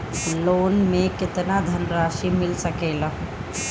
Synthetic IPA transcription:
loːnmekɪt̪nad̪ʱənɾaːʃimɪlsəkeləɦ

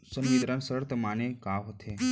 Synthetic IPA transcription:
sənjed̪ɾansəɾt̪əmanekaʋɦət̪ʰe

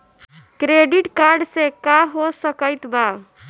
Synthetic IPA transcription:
kɾeɖiʈkaɾɖsekaɦosəkəjt̪ba

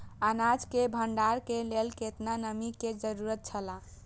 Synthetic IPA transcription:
anad͡ʒkebʱəɳɖaɾkelelket̪nanəmiked͡ʒəɾuɾət̪̚t͡ʃʰəla

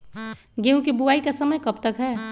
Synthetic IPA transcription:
ɡeũkibuaːikasəməjkəp̚t̪əkɦɛː

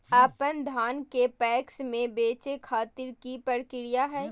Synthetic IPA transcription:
aːpənd̪ʱaːnkepɛːksmẽbeːt͡ʃekʰaːt̪ɪɾkipəɾkɪɾijaɦɛː

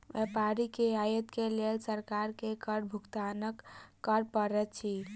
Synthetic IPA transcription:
ʋɛpaɾikeajət̪kelelsəɾkaɾkekəɾbʱukt̪anəkːəɾpəɾɛt̪t͡ʃʰi

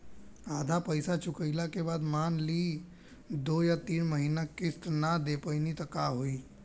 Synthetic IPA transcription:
aːd̪ʱapəɪsat͡ʃʰʊkəɪlakebaːd̪manli | d̪ojat̪iːnməɦinakɪst̪nad̪epənit̪əkaɦoi

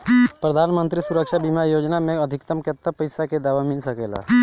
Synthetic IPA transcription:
pɾəd̪ʱaːnmə̃nt̪ɾisuɾəkʃabimajoːd͡ʒnamẽəd̪ʱɪkt̪əmkət̪ːəpəjsaked̪aːʋamɪlsəkeːla̰

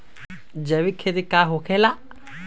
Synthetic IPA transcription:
d͡ʒɐʋikʰːed̪ikaɦokʰela

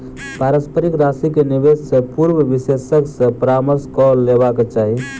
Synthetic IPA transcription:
paɾəspʰəɾikɾasikenibessẽpuɾbəbisesəksə̃pɾaməɾskɔlːebaket͡ʃaɦi

